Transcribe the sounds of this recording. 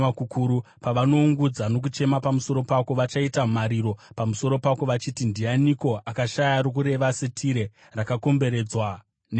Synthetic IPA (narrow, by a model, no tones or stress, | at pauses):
akukʰuɾupaʋano̞uŋɡud͡zano̞k̬ut͡ʃe̞mapamuso̞ɾo̞pako̞ʋat͡ʃaitamaɾiɾo̞pamuso̞ɾo̞pako̞ʋat͡ʃitindianiko̞ʔakaʃajaɾok̬uɾe̞ʋasetʰiɾe̞ | rakako̞mbe̞ɾe̞ːd͡zwa | n